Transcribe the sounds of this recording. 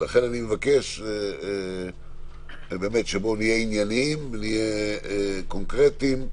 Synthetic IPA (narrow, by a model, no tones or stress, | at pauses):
laχe̞nanimevake̞ʃe | bemetʃebo̞nijeinjanimnije | koŋkʁet̪im